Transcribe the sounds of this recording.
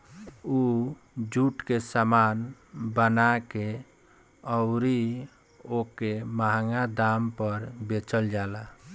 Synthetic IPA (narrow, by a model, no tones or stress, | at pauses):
u | d͡ʒuʈkesaman | bənake | əʊɾi | okemaɦaŋad̪ampəɾbet͡ʃəld͡ʒala